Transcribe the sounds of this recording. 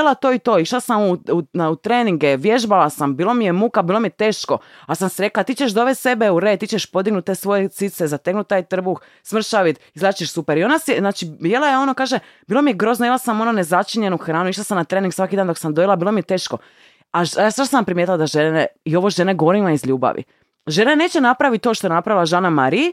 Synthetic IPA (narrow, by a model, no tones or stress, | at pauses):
elˠat̪o̞ːit̪o̞ːiʃlasamuunaut̪ɾeːniŋɡeʋje̞ʒbalasambiːlˠo̞mijemukabiːlomijet̪e̞ːʃko̞asamseɾe̞klat̪iːt͡ʃeʃd̪o̞ʋese̞beuɾet̪iːt͡ʃeʃpo̞d̪iɡnut̪̚ːesʋo̞jet̪sit̪sezat̪eknut̪̚ːaːjt̪r̩bux | smr̩ʃaʋit̪izlˠat͡ʃeʃsupeɾio̞naseznaːt͡ʃijelˠajeo̞nokaːʒe | biːlomije̞ɡɾo̞ːznojelasamo̞nonezat͡ʃiɲe̞nuxɾaːnuiʃlasamnat̪ɾeːniŋɡsʋakid̪aːnd̪o̞ksamd̪o̞jilabilomijet̪eːʃko̞ | aʒasaʃosampɾimjet̪ilad̪aʒeneio̞ʋoʒeneɡoɾimaizʎuːba̰ʋḭ | ʒe̞nene̞ːt͡ʃenapɾaʋit̪̚t̪ːoʃt̪oenapɾaʋilˠaʒaːnamaɾij